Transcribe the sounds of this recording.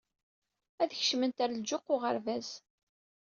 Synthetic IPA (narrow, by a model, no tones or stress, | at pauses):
æðçʃmənt̪æɾd͡ʒʊqːʊʁəɾvæz